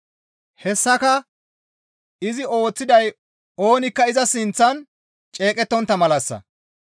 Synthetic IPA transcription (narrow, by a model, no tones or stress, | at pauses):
hɛsːɐkɐ | ɪzɪʔo̞ːt͡sːɪd̪ɐj | o̞ːnɪkːɐɪzɐsɪnt͡sːɐn | t͡ʃʼe̞ːkʼɛt̪ːɔnt̪ːɐmɐlɐsːɐ̰